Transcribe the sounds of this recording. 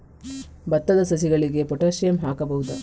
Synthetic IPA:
bɐt̪ːɐd̪ɐsɐs̬iɡɐɭiɡe̞pɔʈaːʃɐjɐmɦaːkɐbɐɦud̪ɐ

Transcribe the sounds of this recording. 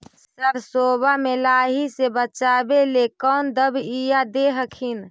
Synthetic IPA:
səɾsoːbamelaːɦisebət͡ʃaːbelekɔːnd̪əbijad̪eɦəkʰin

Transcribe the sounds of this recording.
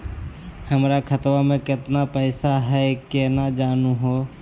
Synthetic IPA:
həmɾakʰət̪wamẽkɪt̪napɛːsaɦɛkenad͡ʒaːnuɦoː

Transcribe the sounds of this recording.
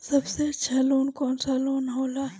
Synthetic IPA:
sɐbseɐt͡ʃʰaloːnkɔːnsaloːnɦoːla

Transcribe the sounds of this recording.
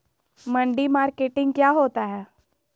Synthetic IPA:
mə̃ɳɖimaːɾkeːʈɪ̃ŋɡ̚kjaːɦoːt̪aɦɛː

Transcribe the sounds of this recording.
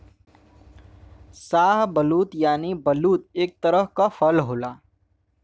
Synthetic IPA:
saːɦbəluːt̪jaːnibəluːt̪̚eːk̚t̪əɾəɦkafʰəlɦoːlaː

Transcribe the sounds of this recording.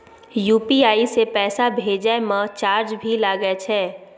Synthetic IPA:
juːpiaːisepɛːsabʱeːd͡ʒamə̃t͡ʃaːɾd͡ʒbʱilaɡɛt͡ʃʰɛː

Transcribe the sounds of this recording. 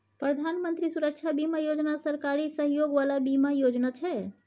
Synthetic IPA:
pɾəd̪ʱanmənt̪ɾisuɾək̚t͡ʃʰabimajod͡ʒnasəɾkaɾisəɦjoɡʋalabimajod͡ʒnat͡ʃʰɛ

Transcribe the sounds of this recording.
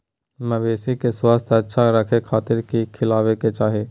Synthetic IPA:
məbeːsikeswaːst̪ʰətːʃʰaɾəkʰekʰaːt̪ɪɾkikʰɪlaːʋeket͡ʃaːɦe

